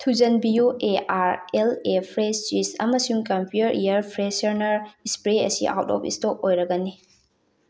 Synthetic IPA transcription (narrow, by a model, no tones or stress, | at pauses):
tʰuzɐnbiuʔeaɾelepʰɾest͡ʃisɐ̰mɐsuŋkɐmpʰutɐɾʔijɐɾpʰɾesɐɾnɐɾispɾeɐ̰sḭʔa̰wtɔ̰pʰḭstɔk̚ojɾɐɡɐni